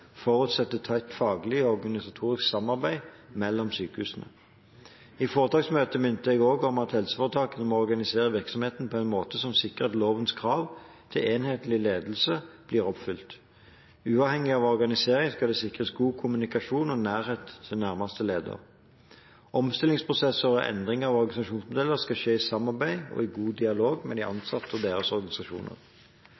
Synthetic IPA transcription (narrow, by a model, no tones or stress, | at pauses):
fɔʁʉt̪sɛt̪ːət̪ʰɑɪt̪fɑːɡlɪɔɔʁɡɑnɪsɑt̪ʰuːʁɪsksɑmɑʁbæɪmɛlːɔmsyːkəhʉːsənə̰ | iːfoːʁət̪ʰɑːksmøːt̪əmʏnt̪əɛɡoːɡɔmɑt̪hɛlsə̥fɔʁt̪ʰɑːkənəmɔɔʁɡɑnɪseːʁəʋɪʁksɔmheːt̪n̩pʰɔɛɪnmoːt̪əsɔmsɪkəʁət̪loːʋənskʰʁɑːʋ | t̪ʰɪleːnheːt̪lɪleːd̪l̩səb̥liːʁɔpfʏlt̪ | ʉːɑːʋhɛŋːɪɑʋɔʁɡɑnɪseːɾɪŋskɑd̪ɛsɪkʁəsɡuːkʰʊmʉnɪkɑʂuːnɔnæːʁheːt̪ʰːɪnæʁmɑst̪əleːd̪ə̰ʁ | ʔɔmst̪ɪlɪŋspʰʁʊsɛsːəʁɔʔɛ̰nd̪ʁɪŋɑʋɔʁɡɑnɪsɑʃuːnsmʊd̪ɛlːəʁskɑʃeːɪsɑmːɑʁbæɪɔ̰ɪɡuːd̪ɪɑloːɡmɛ̰d̪ɪʔɑ̰nsɑt̪ʰːɔd̪eːʁəsɔʁɡɑnɪsɑʃṵːnə̰ʁ